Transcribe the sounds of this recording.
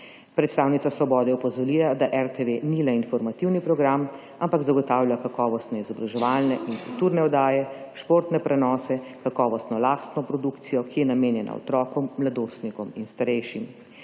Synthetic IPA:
pɾɛt̪st̪aːwnit̪sasʋɔbɔːd̪ɛɔpɔzɔɾilad̪aʔɛɾt̪eʋenilɛinfɔɾmat̪iwnipɾɔɡɾam | ampaɡzaɡɔt̪aːwlʲjakakɔːʋɔst̪nɛizɔbɾaʒɛʋalnɛʔinkult̪uːɾnɛɔd̪aːjɛʃpoːɾt̪nɛpɾɛnɔːsɛkakɔːʋɔst̪nɔlaːst̪nɔpɾɔd̪ukt̪sijɔkijɛnameːnjɛna̰ɔ̰t̪ɾɔːkɔmːlad̪oːst̪nikɔminst̪aɾɛjʃim

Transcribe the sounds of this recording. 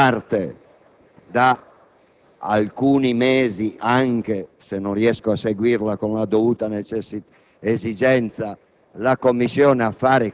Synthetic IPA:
art̪e | d̪a | a̰lkuːnimeːziʔaŋk̟esenːõnriɛskoaseɡwiɾlakonlad̪ovuːt̪anet͡ʃɛs | ezid͡ʒɛnt̪sa | lakomːisːjɔːneafːaːɾe

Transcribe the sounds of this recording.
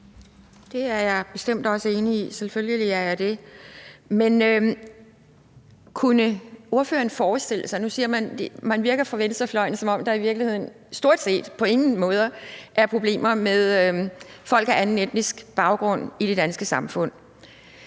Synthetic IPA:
d̥e̝æɐjɑ̈ɪb̥e̝sd̥em̰d̥ɒ̽səe̝ːniiselføljəliæɐjɑ̈ɪd̥e̝ | menø | kʰunəo̝ɐfø̰ːɐn̩fɒːð̩ˠsd̥e̝l̰əsɑ̈ɪnusiɐmænd̥emænʋiɐɡ̥ɐfɒʋend̥ə̥sɑ̈ɪflɒ̽ɪn̩sɒ̽mɒ̽m̰d̥ɑ̈iʋiɐɡ̥lihe̝ð̞̰ˠn̩ | sd̥o̝ɐ̰d̥se̝̰ːd̥pʰɒ̽e̝ŋn̩mɔ̽ːð̞ˠɐʔæɐpʰʁo̝b̥le̝̰ːmɐmeðˠ | fɒ̽l̰ɡ̥æɐʔænn̩ed̥nisɡ̥b̥ɑ̈ʊɡ̥ʁɔ̽n̰iɾ̥e̝d̥ænsɡ̥əsɑ̈mfɔ̽n̰

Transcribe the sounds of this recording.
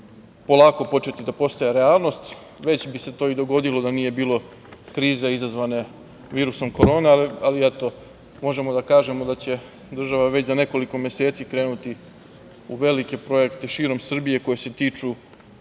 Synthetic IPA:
po̞lˠaːko̞po̞t͡ʃe̞t̪id̪apo̞st̪ajeɾe̞aːlˠno̞st̪ | ʋe̞t͡ɕbise̞t̪o̞ːid̪o̞ɡo̞d̪ilo̞d̪anije̞biːlˠo̞ | kɾiːzeizazʋane | ʋiːɾuso̞mko̞ɾo̞ːnealiet̪o̞ | mo̞ʒe̞mo̞d̪akaːʒe̞mo̞d̪at͡ɕe̞ | d̪r̩ʒaʋaʋe̞t͡ɕzane̞ko̞liko̞mjese̞ːt̪sikɾe̞ːnut̪i | uʋe̞like̞pɾo̞je̞kt̪e̞ʃiːɾo̞msr̩bije̞ko̞jese̞t̪iːt͡ʃu

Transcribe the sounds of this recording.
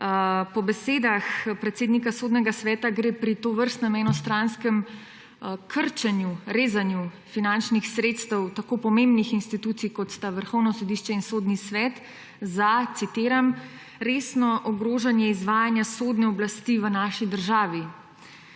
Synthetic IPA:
pɔbɛseːd̪axpɾɛt̪seːd̪nikasoːd̪nɛɡasʋɛːt̪aɡɾeːpɾit̪oːʋəɾst̪nɔmɛjnɔst̪ɾanskɛm | kʰəɾt͡ʃɛnjuɾeːzanju | finant͡ʃnixsɾeːt̪st̪ɛwt̪akoːpɔmẽmbnixinst̪it̪uːt̪sijkɔt̪st̪aʋəɾxɔwnɔsɔd̪iʃt͡ʃɛinsoːd̪nisʋɛːt̪ | zat̪sit̪eːɾam | ɾeːsnɔʔɔɡɾoːʒanjɛizʋaːjanjasoːd̪nɛɔblast̪iːʋənaːʃid̪əɾʒaːʋi

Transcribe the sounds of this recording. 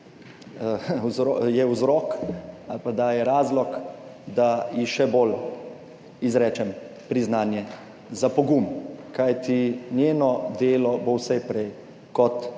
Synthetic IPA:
zɾɔjɛwzɾɔkapad̪ajɛɾaːzlɔkd̪ajixʃɛboːl | izɾɛːt͡ʃɛm | pɾiznaːnjɛ | zapɔɡumkajt̪injeːnɔd̪eːlɔbowsɛjpɾɛj | kɔt̪

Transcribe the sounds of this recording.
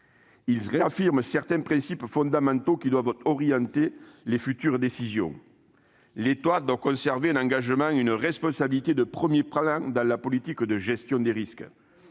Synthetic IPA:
ilzʁeafiʁməsɛʁt̪ɛ̃pχɛ̃sipfɔ̃nd̪amɑ̃nt̪okʲid̪wavɔʁjɑ̃t̪elefyt̪yʁəd̪esizjɔ̰̃ | let̪wad̪wakɔ̃sɛʁveɛ̃nɑ̃ŋɡaʒəmɑ̃ŋynəʁɛspɔ̃sabilit̪ed̪əpχəmjeplɑ̃d̪ɑ̃lapɔlit̪ikd̪əʒɛst̪jɔ̃d̪eʁiskə

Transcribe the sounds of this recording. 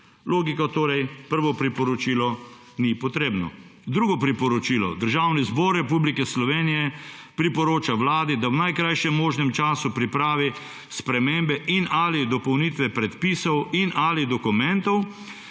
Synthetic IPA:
loːɡikɔt̪oːɾɛjpəɾʋɔpɾipɔɾɔt͡ʃiːlɔ | nipɔt̪ɾeːbnɔ̰d̪ɾuːɡɔpɾipɔɾɔt͡ʃiːlɔ̰d̪əɾʒaːwnizbɔːɾːɛpublikɛslɔʋeːnijɛpɾipɔɾoːt͡ʃawlaːd̪id̪awnajkɾajʃɛmːoːʒnɛmt͡ʃaːsupɾipɾaːʋi | spɾɛmembɛʔinaːlid̪ɔpɔwniːt̪ʋɛpɾɛt̪piːsɔwinʔaːlid̪ɔkumɛnt̪ɔw

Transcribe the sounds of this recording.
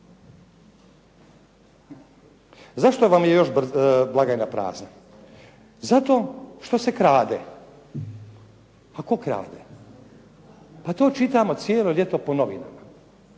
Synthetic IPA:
zaʃt̪oʋamjejo̞ʃbblˠaɡajnapɾa̰ːzna | zat̪o̞ːʃt̪o̞se̞kɾaːd̪e | ako̞kɾa̰ːd̪e | pat̪o̞ːt͡ʃit̪amo̞t̪sjeːlo̞ʎʲe̞t̪o̞po̞noʋḭna̰ma

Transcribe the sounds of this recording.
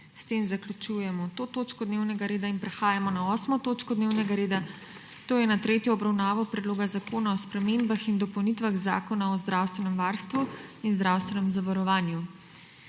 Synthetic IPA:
st̪eːmzaklʲut͡ʃujɛmɔt̪oːt̪oːt͡ʃkɔd̪neːwnɛɡaɾeːd̪ainpɾɛxaːjamɔnaɔːsmɔt̪oːt͡ʃkɔd̪neːwnɛɡaɾeːd̪a | t̪oːjɛnat̪ɾeːt̪jɔːbɾawnaːʋɔpɾɛd̪loːɡazakoːnaɔspɾɛmembaxind̪ɔpɔwnit̪ʋaɣza̰ːkɔnaɔzd̪ɾawst̪ʋɛnɛmʋaːɾst̪ʋuinzd̪ɾawst̪ʋɛnɛmzaʋaɾɔʋaːnju

